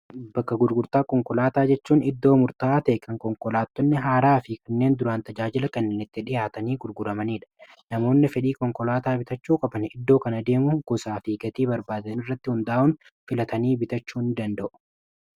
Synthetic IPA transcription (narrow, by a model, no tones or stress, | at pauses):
bɐkːɐɡʊɾɡʊɾt̪aːkɔŋkɔlaːt̪aːd͡ʒɛt͡ʃːuːnɪd̪ːo̞ːmʊɾt̪aːt̪ɛʔkʰɐŋkɔŋkɔlaːt̪ːɔnːɪɦaːɾaːfɪkɐnːe̞ːnd̪ʊɾaːnt̪ɐd͡ʒaːd͡ʒɪlɐkɐnːeːnɪt̪ːɪᶑɪjaːt̪ɐniːɡʊɾɡʊɾɐmɐniːᶑɐ̥ | nɐmo̞ːnːɪfɛᶑiːkɔŋkɔlaːt̪aːbɪt̪ɐt͡ʃːuːkʼɐbɐnɪd̪ːo̞ːkɐnɐd̪e̞ːmʊɡɔsaːfiːɡɐt̪iːbɐɾbaːd̪ɐɐnɪrːɐt̪ːɪhʊnd̪aːʔʊn | fɪlɐt̪ɐniːbɪt̪ɐt͡ʃːuːnɪd̪ɐnd̪ɐʔʊ̥